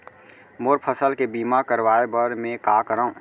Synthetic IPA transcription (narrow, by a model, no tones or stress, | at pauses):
moːɾpʰəsəlkebiːmakəɾʋaːebəɾmẽkakəɾaũ